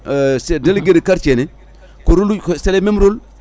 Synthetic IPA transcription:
sdelɡeɾekaɾt͡ʃene | koɾulkselememɾul

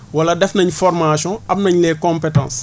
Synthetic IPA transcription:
wɐladɛfnɐɲfɔrmaːsɔ̃ɐbnɐɲleːkɔ̃mpetã̰ːs

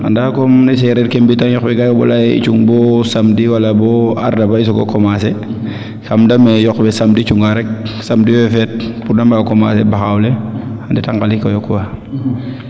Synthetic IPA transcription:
a̰ndakomnes̬eɾeɾkembitanjɔxbɛɡajobɔ̰lajḭt͡ʃuŋbɔsamdiwalabɔa̰ɾdabaisoɡo̰komase | samdamejɔkbɛsamdit͡ʃuŋɡaɾɛk̚samdiwɛfɛt̚puɾnambakoma̰sebaxawleanditaŋkalikojɔkːwa

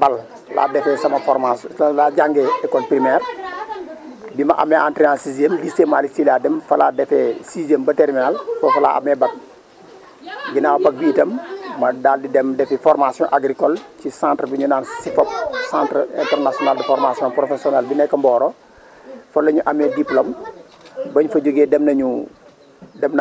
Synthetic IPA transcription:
bal | lʔa̰ːdɛfɛːsɐmɐfɔɾmaslaɟaŋɡɛɛkːɔlpɾimɛːr | bimɐʔa̰mːɛʔãːntɾɛaːsiziemlisemːaːlisilaːdɛmfɐladɛfɛsizembɐtɛrminalfɔfɐla̰ːʔa̰mːɛbɐk̚ | ɡinaːwɐpɐk̚biːtɐmːɐdaːldidɛmdɛfifɔrmasijɔ̰̃ʔaɡɾikɔlcisãːntrbiɲunaːnsifɔp̚sãːntrɛ̰ntɛrnasiɔnaldəfɔɾmasjɔ̃npɾofesiɔnɛlbinɛkːɐmbɔːɾɔ | fɐlːɐɲuʔɐmɛdiplom | bɐɲfɐɟoɡeːdɛmnɐɲu | dɛmn

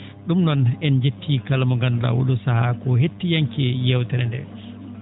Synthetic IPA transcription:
ɗumnɔnɛnd͡ʒetʰːikalamɔŋɡanɾa̰wṵɗusahakɔɦetːijaŋkɛjɛwtɛɾɛndɛ̰

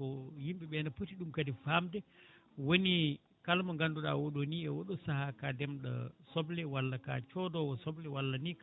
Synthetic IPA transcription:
ɔjimɓiɓɛnapotiɗumkadifamdɛwoni | kalmaŋɡanduɗa̰woɗoniɛwɔɗɔsahakadɛmɗɔ̰sɔblɛwalːaka̰t͡ʃɔdɔwɔsɔblɛwalːanik

